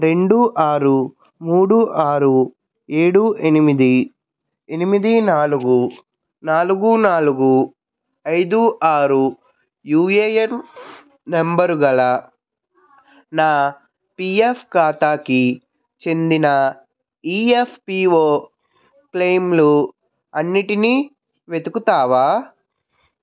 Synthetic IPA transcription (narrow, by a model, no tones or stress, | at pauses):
ɾe̞ɳɖuʔaːɾu | muːɽuʔaːɾu | e̞ːɽuʔenimid̪i | enimid̪inaːluɡu | naːluɡunaːluɡu | ɐjd̪uʔaːɾu | juːeːjemː | embɐɾuɡɐlɐ | naː | piːepʰkaːt̪aːki | t͡ʃe̞nd̪inɐ | iːepʰpiːoː | klejmlu | ɐnːiʈini | ʋe̞d̪ukut̪aːʋaː